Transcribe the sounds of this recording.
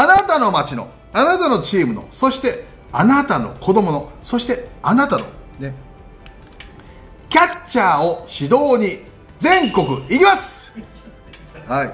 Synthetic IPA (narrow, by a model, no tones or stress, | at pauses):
anat̪ano̞mat͡ɕino̞̰ | anat̪ano̞t͡ɕiːmɯ̟no̞̰so̞ɕi̥t̪e̞ | anat̪ano̞̰kʰo̞d̪o̞mo̞no̞so̞ɕi̥t̪e̞anat̪ano̞̰ne̞ | kʲat͡ɕaːo̞ɕid̪o̞ːɲ̟i | d͡zẽ̞ŋko̞kɯ̟iɾʲimasɨ̥ | hai